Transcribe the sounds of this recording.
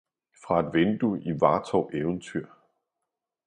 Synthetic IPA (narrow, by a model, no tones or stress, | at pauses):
fʁɑ̈e̝d̥ʋend̥uiʋɑ̈ːt͡sʰɒʊʔeʊənt͡sʰyɐ̰